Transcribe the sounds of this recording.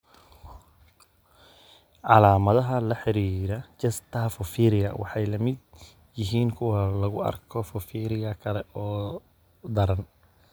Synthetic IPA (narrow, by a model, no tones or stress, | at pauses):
ʕɑlaːmɐðɐɦɐlɐħɪɾiːɾɐt͡ʃɐst̪ʰɐfʊfiːɾɪjɐ̰wɑ̰ħɑjlɐmɪd̪ | jɪɦiːŋkʰʊwɐlɐɣʊɐ̰rkʰɔfʊfiːɾɪɣɐkʰɐlɛɔː | d̪ɐɾɐn